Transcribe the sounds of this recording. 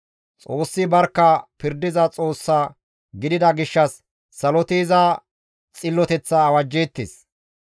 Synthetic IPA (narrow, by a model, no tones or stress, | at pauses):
t͡sʼo̞ːsːɪbɐɾkːɐpɪɾd̪ɪzɐt͡sʼoːsːaː | ɡɪd̪ɪd̪ɐɡɪʃːɐsː | ɐlɔt̪eːzɐ | t͡sʼɪlːɔt̪ɛt͡sːɐːwɐd͡ʒːeːt̪ːḛːs